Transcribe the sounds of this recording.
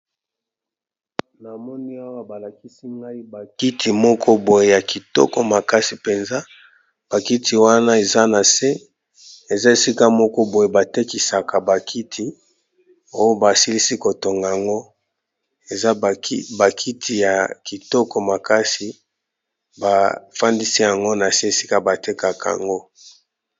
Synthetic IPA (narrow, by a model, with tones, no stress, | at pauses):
na˨mɔ˦ni˦a˦wa˦ba˨la˨ki˦si˦ŋɡa˦i˦ba˨ki˦tʰi˨mɔ˦kʰɔ˦bo˨je˨ja˨ki˨tɔ̰˦kɔ˨ma˨ka˦si˨pe˨nza˦ | b̥a˨ki˦tʰi˨wa˦na˦e˨za˦na˨se˦ | e˨za˦e˨si˦ka˦mɔ˦kɔ˦bo˨je˨ba˨te˦ki˨sa˨ka˨ba˨kʰi˦tʰi˨ | o˦jo˦ba˨si˦li˦si˦ko˨to˨ŋɡa˨a˨ŋɡo˦ | e˨za˦˨˦ba˨kʰi˦tʰi˨ja˨ki˨tɔ˦kɔ˨ma˨ka˦si˨ | ba˨fa˦ndi˦si˦ja˨ŋɡo˦na˨se˦e˨si˦ka˦ba˨te˦ka˨ka˨a̰˨ŋɡo˦